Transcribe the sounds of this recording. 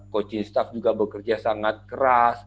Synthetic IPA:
kot͡ʃɪnst̪afd͡ʒuɡabəkərd͡ʒasaŋat̪̚kəɾas

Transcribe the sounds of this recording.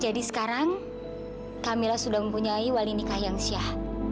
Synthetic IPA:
d͡ʒadisə̥kaɾaŋ | kamilahsudahməmpuɲaiwalinikahjaŋsiah

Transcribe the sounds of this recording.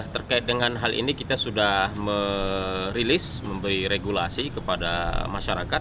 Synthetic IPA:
ht̪ərkaɪt̪̚dəŋanɦalʔḭnikit̪asudahmə | ɾilɪs | məmbəɾiɾeɡulasikəpadamaʃaɾakat̪̚

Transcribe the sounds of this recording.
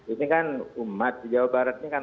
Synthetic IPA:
inikanumat̪̚sid͡ʒawabaɾat̪̚ɲikan

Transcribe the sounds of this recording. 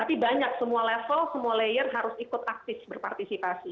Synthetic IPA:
t̪apibaɲak̚səmualɛfəlsəmualejərɦaɾʊsikʊt̪ak̚t̪ɪfbərpart̪isipasi

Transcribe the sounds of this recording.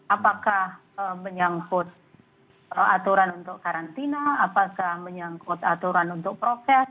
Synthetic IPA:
apakah | əməɲaŋkʊt̪̚ | əat̪uɾanunt̪ʊkːaɾant̪inaːpakahməɲaŋkʊt̪at̪uɾanunt̪ʊk̚pɾofɛs

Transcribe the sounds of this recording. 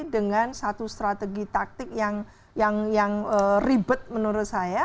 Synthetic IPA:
dəŋansat̪ust̪ɾat̪əɡit̪ak̚t̪ɪk̚jaŋ | jaŋjaŋəribʊt̪̚mənuɾʊt̪̚saja

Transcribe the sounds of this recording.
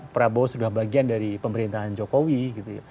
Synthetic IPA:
pɾabosudahbaɡiandaɾipəməɾint̪aɦand͡ʒokowiɡit̪uja̰

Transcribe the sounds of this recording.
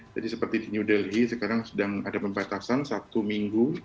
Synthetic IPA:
d͡ʒadisəpərt̪idinjudɛlɦisəkaɾaŋsədaŋadapəmbat̪asansat̪umiŋɡu

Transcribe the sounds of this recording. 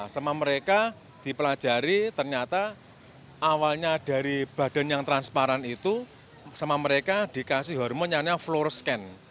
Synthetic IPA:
səmaməɾeka | d̪̥i̤pəlḁd͡ʒ̥a̤ɾit̪ərɲat̪a | ʔawalɲad̥a̤ɾib̥ä̤d̥ɛ̤njaŋt̪ɾanspaɾanit̪u | səmaməɾekad̪̥i̤kasiɦɔrmɔɲanaflorskɛn

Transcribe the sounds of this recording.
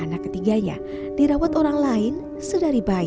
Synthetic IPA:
anakːət̪iɡaɲa̰ | d̥iɾawat̪oɾaŋlaɪn | sədaɾiba

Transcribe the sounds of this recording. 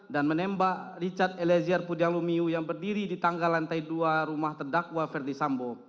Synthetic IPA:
danmənɛmbaʔrit͡ʃat̪̚ɛlɛziarpudiaŋlumiujaŋbərdiɾidit̪aŋɡalant̪aiduaɾumaht̪ərdakwafɛrdisambo

